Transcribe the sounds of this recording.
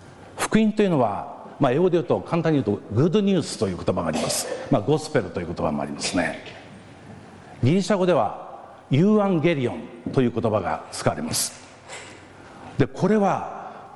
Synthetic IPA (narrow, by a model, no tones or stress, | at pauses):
ɸɯ̥kɯ̟ĩnt̪o̞jiɯ̟no̞βa | maeod̪eɯ̟t̪o̞kʰãnt̪ãɲ̟ːiɯt̪oɡɯ̟d̪oɲ̟ʲɨːsɨ̥t̪o̞jɯːko̞t̪o̞baɡaːɾʲimasɨ̥maɡo̞sɨ̥pe̞ɾot̪o̞jɯ̟ko̞t̪oba̰mo̞̰a̰ɾʲimasɨ̥ne̞̰ | ɡʲiɾʲiɕaɡo̞d̪e̞β̞a̰ | jɨːãŋɡe̞ɾʲiõ̞nt̪o̞jɯ̟ːko̞t̪o̞baɡa̰t͡sɨ̥kaβaɾe̞masɨ̥ | d̪e̞kʰo̞ɾe̞βa